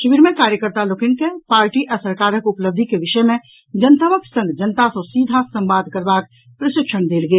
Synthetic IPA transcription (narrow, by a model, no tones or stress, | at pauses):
ʃbiɾmẽkaːɾjəkəɾt̪aloːkɪnkepaːɾʈiʔɐsəɾkaːɾəkʊpləb̚d̪ʱikeʋɪʃəjmẽ | d͡ʒɐnt̪əməksə̃ŋɡd͡ʒənt̪asosiːd̪ʱasɐ̃mbaːd̪ʱkəɾbaːk̚ | pɾɐʃɪkʃəɽ̃d̪eːlɡeː